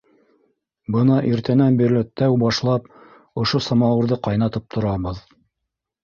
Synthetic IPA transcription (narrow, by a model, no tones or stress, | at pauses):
bɤnɑʔiɾt̪ænænbiɾlɘ̆t̪ːæwbɑʃlˠɑp̚ | ŏʃosɑmɑwɤ̆ɾðɤqɑjnɑt̪ɤp̚t̪ʰŏɾɑβɤð